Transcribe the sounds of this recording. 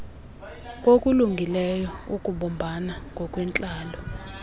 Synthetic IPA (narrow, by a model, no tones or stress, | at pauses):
kʼokʼuluŋɡʱilɛjɔukʼuɓɔmbʱanaŋɡʱɔkʼwɛnt͡ɬʼaːlɔ